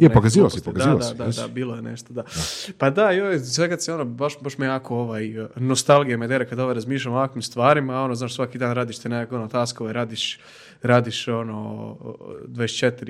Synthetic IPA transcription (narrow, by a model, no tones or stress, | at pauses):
jepokaziːʋalssipokad̪zaiʋad̪ad̪ad̪a̰biːlˠojenḛʃt̪od̪apad̪ajojesʋekad̪seo̞nobaʃbaʃmejakooʋajnost̪alˠɡijamed̪eɾekad̪oʋoɾazmiːʃlʲamoʋakʋimst̪ʋaːɾimao̞noznaːʃsʋakid̪aːnɾaːd̪iʃt̪enekakonot̪aːskoʋojɾaːd̪iʃ | ɾaːd̪iʃo̞no | d̪ʋaest͡ʃet̪iɾi